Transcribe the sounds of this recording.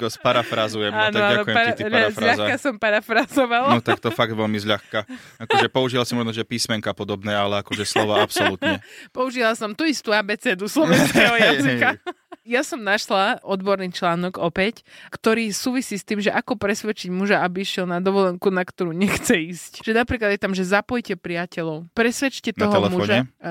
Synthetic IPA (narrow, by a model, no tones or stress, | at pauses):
spaɾafɾazujɛmaːnɔaːak̪ɔujɛpaɾiʎazfɾaaxzkasɔmpaɾafɾazɔʋalnɔt̪akt̪ɔfaɡ̚d̪ʋɛlmizʎaxkaakɔʒɛpɔuʒiʋasimɔʒnɔʒɛpiːsmɛŋkapɔd̪ɔbnɛːalɛakɔʒɛslɔʋaapsɔlut̪ɲɛpɔuʒiʋalasɔmt̪uist̪uːaːbɛːt͡sɛːd̪uslɔɛnskɛɦɔjazika | jasɔmnaʃlaɔd̪bɔɾniːt͡ʃlaːnɔɡɔpɛckt̪ɔɾiːsuːʋisiːst̪iːmʒɛʔakɔpɾɛsʋɛt͡ʃiɟmuʒaabiiʃjɛlnad̪ɔʋɔlɛŋkunakt̪ɔɾuːɲɛxt͡sɛiːscʒɛnapɾiːklad̪jɛt̪amʒɛzapɔjcɛpɾijacɛlɔʊpɾɛsʋɛt͡ʃcɛt̪ɔɔɦ̪ɔlɛmfuɔːɲʒaɛ